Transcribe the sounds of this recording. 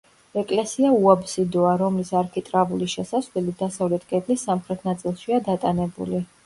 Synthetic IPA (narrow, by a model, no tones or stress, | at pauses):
ɛkʼlɛsiauabsid̪ɔaɾɔmlisaɾkʰit̪ʼɾavuliʃɛsasvlɛlid̪asavlɛt̪ʰkʼɛb̪lisːamχɾɛt̪ʰnat̪sʼilˠʃiad̪at̪ʼanɛbṵli